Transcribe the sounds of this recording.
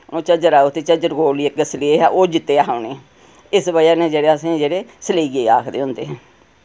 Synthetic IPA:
oːt͡ʃəd͡ʒəɾaːut̪eːt͡ʃəd͡ʒəɾɡoːliːəkəsəleeɦɛːʔoːd͡ʒɪt̪ːeːaːɦaʊneː | ɪsbəjaːnẽːd͡ʒeːɽeːəsĩːd͡ʒeːɽeːsəleɡeːaːkʰd̪eːɦʊ̃nd̪eːɦɛ̃ː

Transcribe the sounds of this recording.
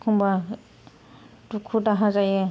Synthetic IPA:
kʰumba | tukʰudaɦazajɛ

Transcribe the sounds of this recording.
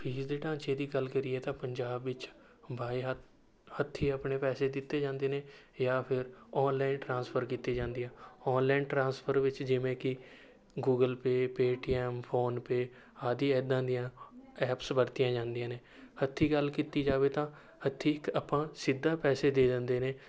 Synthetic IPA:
pʰiːzd̪eːʈãːt͡ʃeːd̪iːɡəlkəɾiːɛːt̪ãːpəɲd͡ʒaːbʋɪt͡ʃ | bʱaːiɦ | hət̪ʰːiːəpneːpɛːseːd̪ɪt̪ːeːd͡ʒãːnd̪eːneːjaːpʰɪɾɔːnlaːɪnʈɾãːnspʰəɾkiːt̪ːeːd͡ʒãːnd̪ijãːɔːnlaːɪnʈɾãːnspʰəɾʋɪt͡ʃd͡ʒɪʋẽːkɪ | ɡuːɡəlpeːpeːʈiːɛːmpʰoːnpeː | aːd̪iːɛd̪ãːd̪ɪjãːɛːpsbəɾt̪ɪjãːd͡ʒãːnd̪ɪijãːneː | hət̪ʰːiːɡəlkiːt̪iːd͡ʒaːʋeːt̪ãː | hət̪ʰːiːkaːpãːsɪd̪ːaːpɛːseːd̪eːd̪ə̃nd̪eːneː

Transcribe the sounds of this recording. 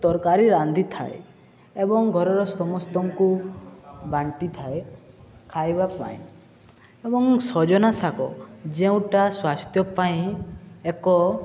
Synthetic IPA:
t̪ɔɾkaɾiɾand̪ʱit̪ʰa̰e | ebɔŋɡʱɔɾɔɾɔsɔmɔst̪ɔŋku | baɳʈit̪ʰaekʰajbapa̰ḭ̃ | ebɔŋsɔd͡ʒɔnasakɔ̰d͡ʒeũʈaswast̪ʰjɔpaĩekɔ

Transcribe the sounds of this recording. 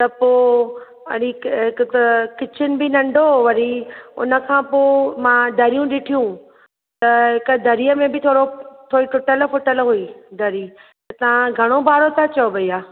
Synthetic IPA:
t̪ɐpoː | ɐ̰ɽiɦɪkt̪kɪt͡ɕʰɪnɪ̆bɪnɐ̃ɳɖʱoʋɐɾiʊ̰nə̆kʰãːpoːmãːd̪ʱɐɾijũɗɪʈʰijũ | t̪ɐɦɪkəd̪ʱɐɾijəmẽbɪt̪ʰoːɽot̪ʰoːiʈʊʈəlfʊʈəlɦuid̪ʱɐɾiːt̪ɐt̪ɐʋ̤ãɡʱɐɽ̃obʱaːɾot̪ʰat͡ɕɐoʋɐiːaː

